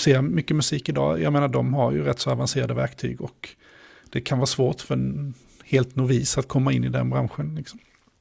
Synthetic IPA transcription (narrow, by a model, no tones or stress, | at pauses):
seːmʏkːəmɵsiːkɪd̪ɑ̰ːjɑːɡmeːnaɖ̪ɔmɦaɾjɵ̰ɾɛt̪ːsɔavanseːɾad̪əvæɾkt̪ʰy̰ːɡɔk | d̪̥ɛkʰanvɑːsvoːʈfœɾɛn | heːlt̪nuviːsat̪̚kʰɔmːaɪnːɪd̪ɛ̰nbɾa̰nɧənlɪksɔ̥m